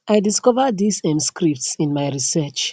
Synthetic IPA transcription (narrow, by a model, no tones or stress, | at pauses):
ʔajdiskɔvədisɛ̃mskɹip̚tsĩnmajɹisɛt͡ʃ